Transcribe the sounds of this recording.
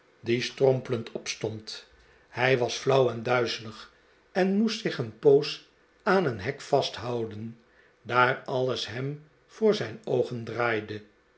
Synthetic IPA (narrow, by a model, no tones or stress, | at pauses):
distrɔmpələntʰɔpstɔnt | hɛjʋɑsflʌwɛndœɥzələχ | ɛnmustsɪχənpows | aːnənɦɛkfɑstɦɑwdən | daːrɑləsɦɛm | v̥ʊːɹzɛjnowχəndraːjdə